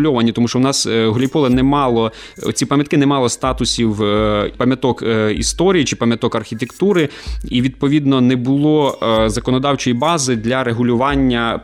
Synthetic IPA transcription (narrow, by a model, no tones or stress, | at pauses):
lʲɔʋɐnʲːit̪ɔmuʃt͡ʃɔwnɑsɦlʲipɔlˠɐnɛmɑlˠɔ | ɔ̰t͡sʲipɐmʲjɐt̪̚kɪnɛmɑlˠɔst̪ɑt̪ʊsʲiwpɐmʲjɐt̪ɔkḭst̪ɔɾʲijit͡ʃɪpɐmʲjɐt̪ɔkɐrxʲit̪ekt̪uɾɪiʋʲid̪̚pɔʋʲid̪nɔnɛbʊlˠɔzɐkɔnɔd̪ɑwt͡ʃɔjibɑzɪd̪lʲɐɾeɦʊlʲʊʋɑnʲːɐ